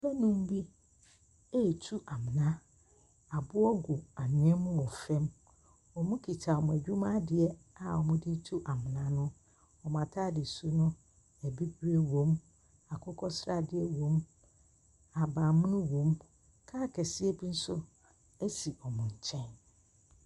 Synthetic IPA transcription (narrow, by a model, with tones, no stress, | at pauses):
bɛ˦nʊ̃˦m˦bi˦ | e˦˨tʰu˦ʔa˨mɪ̃˨nã˦ | a˨bʊ˦ɔ˦ɡu˨a˨ɲɪ̃˦ɛ˦mʊ̃˦wɔ˨fɛ̃˦m | ɔ˨mʊ̃˦kʰi˨tʰa˨ɔ˨mʊ̃˨æ˨d͡ʑᶣu˦mã˦dɪ˨ɛ˦ | a˨ɔ˨mʊ̃˦di˦tʰu˦ʔa˨mɪ̃˨nã˦nʊ̃˦ | ɔ˨m˨ã˨tʰaː˦dɪ˨su˦nʊ̃˦ | æ˨bi˦ɡu˦ɾe˦wõ˨˦m | a˨kʰʊ˦kʰɔ˦sɾa˦dɪ˦ɛ˦wõ˦m | a˨ba˨mʊ̃˦nʊ̃˦wõ˨m | kʰaː˦kʰɛ˨sɪ˦ɛ˦bi˦n̩˦sʊ˦ | ɛ˦si˨ʔɔ˨mʊ̃˨ɲ̩˨t͡ɕʰɛ̃˦n